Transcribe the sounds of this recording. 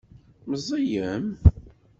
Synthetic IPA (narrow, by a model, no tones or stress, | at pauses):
məzˤɑjəm